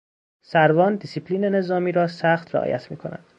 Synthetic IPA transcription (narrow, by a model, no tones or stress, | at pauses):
sæɾvɒːnd̪isipʰliːne̞ne̞zɒːmiːɾɒːsæxt̪ɾeʔɒ̰ːjæ̰t̪ʰmḭːkʰo̞̰næ̰nd̪